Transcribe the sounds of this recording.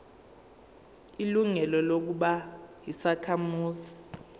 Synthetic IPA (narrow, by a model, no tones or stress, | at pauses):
iluŋɛlɔlok̬uɓajisakʰamuːzi